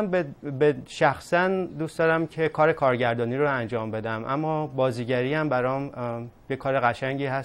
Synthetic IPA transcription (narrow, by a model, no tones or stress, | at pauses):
bbeʃæxsænd̪usd̪ɒːɾæmcʰe̞kʰɒːɾe̞kʰɒːɾɟæɾd̪ɒːniːɾoænd͡ʒɒːmbe̞d̪æmʔæ̰mːɒːbɒːziːɟæɾiːhæmbæɾɒːmjekʰɒːɾe̞ɣæʃæŋɟiːɦæs